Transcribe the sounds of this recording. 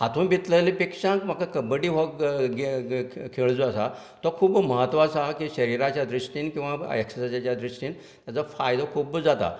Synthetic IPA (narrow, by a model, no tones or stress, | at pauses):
ɦat̪ʰuːnbit̪ləlipekʂãŋkmakakəbəɽiːɦɔkɡekʰeɭd͡zoəsa̰ | t̪ɔkʰuːbməɦət̪ːʋasakiɕəɾiɾat͡ɕjad̪ɾiʂʈiːnkĩw̃ʋaeksəsad͡ʑat͡ɕjad̪ɾiʂʈiːn | t̪jat͡safajd̪akʰuːbd͡zat̪a̰